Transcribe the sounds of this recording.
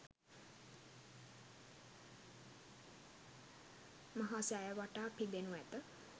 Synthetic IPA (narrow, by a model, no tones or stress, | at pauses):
maɦasæjəʋaʈaːpid̪enuæt̪ə